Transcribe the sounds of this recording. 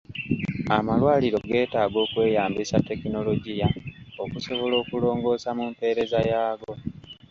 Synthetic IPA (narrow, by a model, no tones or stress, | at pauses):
amalwaːliɾo̞ɡe̞ːtaːɡo̞ːkwe̞ːjaːmbisatːe̞kino̞lo̞ɟijaokuso̞βo̞lo̞ːkulo̞ːŋɡo̞ːsamumpe̞ːɾe̞zajaːɡo̞